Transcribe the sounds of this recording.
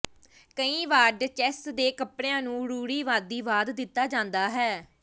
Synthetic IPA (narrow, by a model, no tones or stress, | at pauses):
kəĩːʋaːɖt͡ʃɛːstd̪eːkəpɽejãːnũːɽuːɽiːʋaːd̪ːiːʋaːd̪ːɪt̪ːaːd͡ʒãːnd̪aːɦɛː